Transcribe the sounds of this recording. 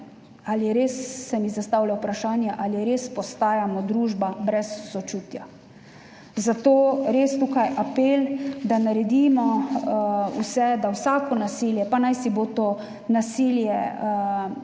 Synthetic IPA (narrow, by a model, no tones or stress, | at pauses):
alijɛɾeːsːɛmizast̪awlawpɾaʃaːnjaʔaljɛɾeːspɔst̪aːjamɔd̪ɾuːʒbabɾɛsːɔt͡ʃuːt̪ja | zat̪oːɾest̪ukajʔapeːld̪anaɾɛd̪imɔ | usɛd̪awsaːkɔnasiːljɛpanajsibot̪o | nasiljɛ